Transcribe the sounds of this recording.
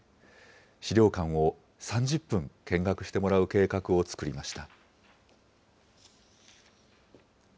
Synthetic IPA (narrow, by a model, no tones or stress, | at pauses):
ɕiɾʲo̞ːkãɰ̃o̞ | sãɲ̟d͡ʑɨpːɯ̟̃ŋkẽ̞ŋɡakɯ̟ɕi̥t̪e̞mo̞ɾaɯ̟ke̞ːkakɯ̟o̞t͡sɨ̥kɯ̟ɾʲimaɕi̥t̪a